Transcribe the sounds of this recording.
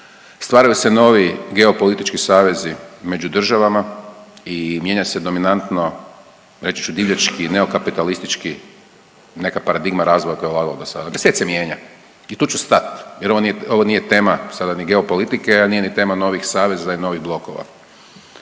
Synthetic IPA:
st̪ʋaːɾajuseno̞ːʋiɡe̞o̞po̞lit̪it͡ʃkisaːʋe̞zime̞d͡ʒud̪r̩ʒaʋama | imje̞ɲased̪o̞minant̪no̞ | ɾe̞t͡ʃi̥t͡ʃud̪iːʋʎat͡ʃkine̞o̞kapit̪alist̪it͡ʃki | ne̞kapaɾad̪iɡmaɾaːzʋojako̞jeulaɡalod̪osad̪ad̪eset̪semje̞ːɲa | it̪uːt͡ʃust̪at̪jeɾoʋonijeo̞ʋoniːjet̪e̞ːmasad̪aniɡe̞o̞po̞lit̪ikeaniːje̞nit̪e̞ːmano̞ʋixsaːʋe̞zaino̞ʋiɣblˠo̞koʋa̰

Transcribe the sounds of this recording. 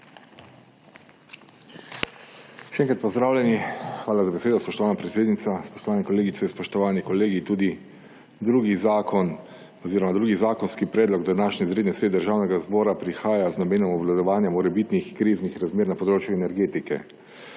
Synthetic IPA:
ʃɛɛŋkɾat̪̚pɔzd̪ɾaːwlʲɛnixʋaːlazabeseːd̪ɔspɔʃt̪ɔʋaːnapɾɛt̪seːd̪nit̪saspɔ̥ʃt̪ɔʋaːnɛkɔleːɡit̪sɛspɔʃt̪ɔʋaːnikɔleːɡit̪uːd̪i | d̪ɾuɡizakɔn | ɔziːɾɔmad̪ɾuːɡizaːkɔnskipɾɛːd̪lɔɡd̪anaːʃɲɛizɾeːd̪nʲɛsɾeːd̪əɾʒaːwnɛɡazbɔːɾapɾixaːjaznɔmeːnɔmɔwlad̪ɔʋaːnjɛmɔɾɛbit̪nixkɾiːznixɾazmeːɾnapɔd̪ɾoːt͡ʃjuɛnɛɾɡeːt̪ikɛ̰

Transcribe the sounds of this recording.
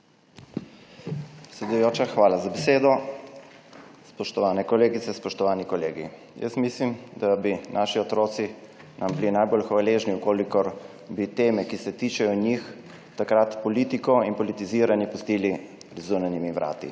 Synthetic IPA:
psɛd̪ujoːt͡ʃaxʋaːlazabeseːd̪ɔ | spɔʃt̪ɔʋaːnɛkɔleːɡit̪sɛspɔʃt̪ɔʋaːnikɔleːɡi | jə̰smislimd̪abinʔaːʃiɔt̪ɾoːt̪si | nʔamblinajbolxʋaleːʒniukoːlikɔɾ | bit̪eːmɛkisɛt̪iːt͡ʃɛjɔnix | t̪akɾat̪pɔliːt̪ikɔinpɔlit̪iziːɾanjipust̪iːli | ɾizunanimiʋɾʔa̰ːt̪ḭ

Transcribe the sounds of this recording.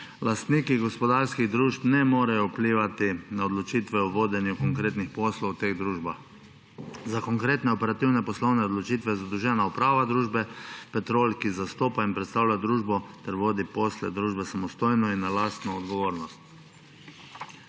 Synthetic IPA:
last̪niːkiɡɔspɔd̪aːɾskiɣd̪ɾuːʃpnɛmoːɾajɔwpliːʋat̪inaɔd̪lɔt͡ʃiːt̪ʋɛuʋoːd̪ɛnjukɔŋkɾeːt̪nixpɔːslɔwt̪eːɣd̪ɾuʒbax | zakɔŋkɾeːt̪nɛɔpɛɾat̪iwnɛpɔslɔwnɛɔd̪lɔt͡ʃit̪ʋɛɛzad̪ɔwʒɛːnaupɾaːʋad̪ɾuːʒbɛpɛt̪ɾoːlkizast̪oːpainpɾɛt̪st̪aːwlʲad̪ɾuːʒbɔt̪ɛɾʋoːd̪ipoːslɛ̰d̪ɾuːʒbɛsamɔst̪oːjnɔinːalaːst̪nɔːd̪ɡɔʋoːɾnɔst̪̚

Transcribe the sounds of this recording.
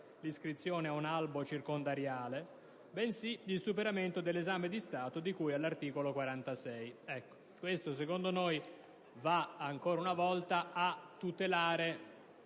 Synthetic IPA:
liskɾit̪sːjoːneaunalbot͡ʃirkond̪aɾjaːle | bɛnsiisupeɾament̪od̪elːezaːmed̪ist̪aːt̪od̪ikujalːart̪iːkolokwaɾant̪asɛjɛkːo̥ | kwest̪os̬ekond̪onoj | vaaŋkoːɾaunavɔlt̪aat̪ːut̪elaːɾe

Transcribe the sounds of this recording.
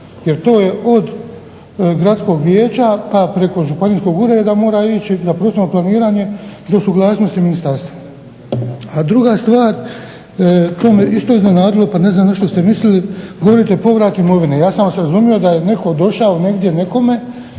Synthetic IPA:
je̞ɾt̪o̞ːje̞o̞d̪ | ɡɾat̪sko̞ːɡʋjeːt͡ʃapapɾe̞ko̞ʒupaniːsko̞ɡuɾed̪amo̞ːɾait͡ʃizapɾosemoplˠaniːɾaːɲe̞d̪osuɡlˠaːsno̞st̪iminist̪aɾst̪ʋa | ad̪ɾuɡast̪ʋaːɾ | t̪o̞ːmeist̪oiznenaːd̪ilˠo̞pane̞znaːmzaʃt̪o̞st̪e̞misliliɡo̞ʋoɾit̪e̞po̞ʋɾaːt̪imo̞ʋinejaːsamaseɾazumijo̞d̪aje̞ne̞ko̞d̪o̞ʃao̞ne̞ɡd̪je̞ne̞ko̞me̞

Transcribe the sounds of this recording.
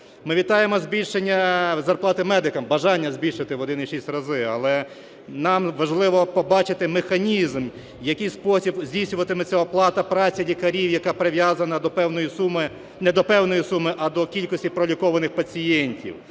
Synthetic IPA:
mɪʋʲit̪ɑjemɔzʲbʲilʲʃenʲːɐzɐrplˠɑt̪ɪmɛd̪ɪkɐmbɐʒɑnʲːɐzʲbʲilʲʃɪt̪ɪʋɔd̪ɪniʃisʲtʲrɐzɪɐlˠɛ | nɑmʋɐʒlˠɪʋɔpɔbɑt͡ʃɪt̪ɪmexɐnʲizm | jɐkɪjspɔsʲibzʲdʲijsʲnʲʊʋɐt̪ɪmɪt͡sʲaɔplˠɑt̪ɐpɾɑt͡sʲɐlʲikɐɾʲiwjɐkɑpɾɪʋjazɐnɐd̪ɔpɛwnɔjisumɪ | nɛd̪ɔpɛwnɔjisumɪʔɐd̪ɔkʲilʲkɔsʲtʲipɾɔlʲikɔʋɐnɪxpɐt͡sʲijɛnʲtʲḭw

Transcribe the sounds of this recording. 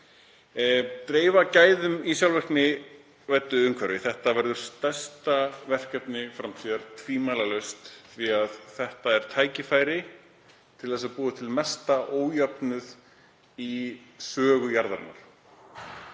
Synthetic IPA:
t̪ɾeːjvacaːjðʏmisjawlvɛrknɪ | vajt̪ːʏʏmkʰvɛɾvɪθɛht̪avɛɾðʏɾ̥st̪ɛ̥st̪avɛr̥kɛpnɪfɾamt̪ʰiːðaɾ̥t̪ʰviːmajlalœst̪θviaðθɛht̪aɛɾ̥t̪ʰaːjcɪfaːjɾɪ | t̪ʰɪlðɛsapuːðɪt̪ʰɪlmɛst̪aʔoːwjapnʏð | isœːɣʏjaɾðaɾɪ̰nːa̰ɾ̥

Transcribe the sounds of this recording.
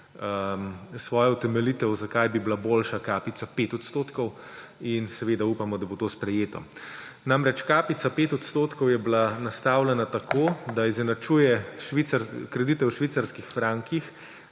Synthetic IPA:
sʋɔːjɔut̪ɛmɛlit̪ɛwzakajbiblaboːlʃakaːpit̪sapeːt̪ɔt̪st̪oːt̪kɔwinsɛʋeːd̪auːpamɔd̪abot̪oːspɾɛjeːt̪ɔ̰ | namɾɛt͡ʃkaːpit̪sapeːt̪ɔt̪st̪oːt̪kɔwjɛblanast̪awlɛnat̪akʰoːd̪aizɛnat͡ʃuːjɛʃʋisaɾkɾɛd̪it̪ɛwʃʋiːt̪saɾskixfɾaːŋkix

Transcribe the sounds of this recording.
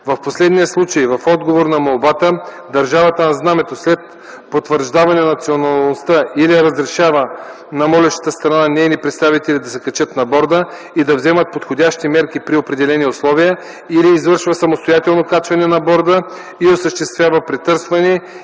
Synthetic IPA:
vɐfposlɛd̪nijəslˠut͡ʃəjvɐfɔd̪ɡovoɾnɐmolˠbat̪ə | d̪ɐɾʒavɐt̪ənɐznamɛt̪oslɛt̪̚ | pot̪vəɾʒd̪avɐnɛnɐt̪sionɐlˠnost̪əiliɛɾɐəzɾɛʃavə | nɐmɔlɛʃt̪ə̥t̪əst̪ɾɐnanɛjnipɾɛt̪st̪avit̪ɛlid̪ɐsɛkɐt͡ʃət̪nɐbɔɾd̪ə | id̪ɐvzɛmət̪̚pot̪xodʲaʃt̪imɛɾkipɾiopɾɛd̪ɛlɛniʊslˠɔvijə | iliːzvɤɾʃvəsɐmost̪ojat̪ɛlˠnokat͡ʃvɐnɛnɐbɔɾd̪ə | iosəʃt̪ɛst̪vʲjavəpɾɛt̪ɤɾsvɐnɛ

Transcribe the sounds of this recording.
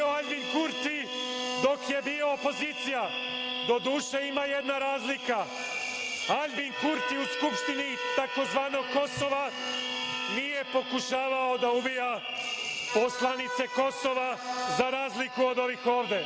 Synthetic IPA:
oaʎʲbinkuɾt̪id̪o̞kje̞biːo̞ːpo̞ziːt̪sija | d̪o̞d̪uːʃe̞imajed̪naɾaːzlika | aʎbinkuɾt̪iuskupʃt̪init̪ako̞zʋaːno̞ɡkːo̞so̞ʋa | nije̞po̞kuʃaːʋaod̪aubija | po̞slˠanit̪se̞ko̞so̞ʋazaɾaːzlikuo̞d̪o̞ʋixo̞ːʋd̪e̞

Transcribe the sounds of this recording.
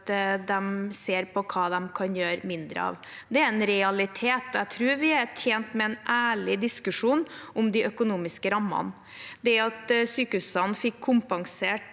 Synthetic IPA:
d̪ɛmseːɾpʰɔkʰɑːd̪ɛmkʰɑnjøːɾmɪnd̪ɾə̰ɑ̰ʋ | d̪ɛæɾɛnɾɛɑlɪt̪ʰeːt̪ɔæt̪ʰɾʉːɾʋɪæɾʈʰjeːnt̪mɛɛnʔæːɭɪd̪ɪskʉʂuːnʔʊmd̪ɪʔœkʊnuːmɪskəɾɑmːɑ̰n | d̪ɛɑt̪syːkəʉsɑnfɪkʰːʊmpɑŋseːʈ

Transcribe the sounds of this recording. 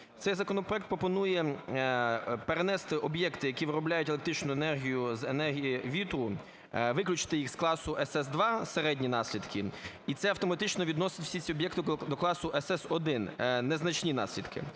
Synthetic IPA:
t̪sɛjzɐkɔnɔpɾɔɛkt̪pɾɔpɔnujɛ | peɾenɛst̪ɪʔɔbjɛkt̪ɪjɐkʲiʋɪɾɔblʲajʊtʲelˠekt̪ɾit͡ʃnʊenɛrɦʲijʊzenɛrɦʲijiʋʲit̪ɾʊ | ʋɪklʲʊt͡ʃɪ̥t̪ɪjixsklˠɑsʊʔɛsɛsd̪ʋɑseɾɛdʲnʲinɑsʲlʲid̪kʰɪ | it̪sɛɐwt̪ɔmɐt̪ɪt͡ʃnɔʋʲid̪nɔsɪtʲwsʲisʲiɔbjɛkt̪ɪd̪ɔklˠɑsʊʔɛsɛsɔd̪ɪnneznɐt͡ʃnʲinɑ̰sʲlʲid̪kʰɪ̰

